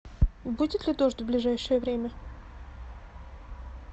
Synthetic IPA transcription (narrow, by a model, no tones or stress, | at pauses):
budʲɪt̪lʲɪd̪o̞ʐd̪ʲvblʲɪʐajʂɨjəvɾʲemʲə